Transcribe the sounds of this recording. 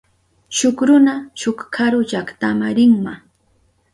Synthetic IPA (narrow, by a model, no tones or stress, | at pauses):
ʃʊkɾʊnaʃʊkkʰaɾʊt͡ʃakt̪amaɾɪŋma